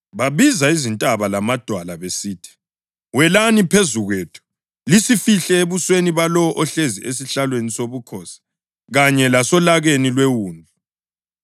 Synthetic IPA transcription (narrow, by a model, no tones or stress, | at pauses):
βaβizaizintʼaβalamad̥ʱwalaβesiːtʰi̥ | wɛlanipʰezuɣwetʰu̥ | lisifiɬɛeβusweniβalɔwɔʔɔɬeziʔesiɬalwenisoβukʰɔsḁ | ɣaɲɛlasɔlaɣenilwewuːnd͡ɮʱu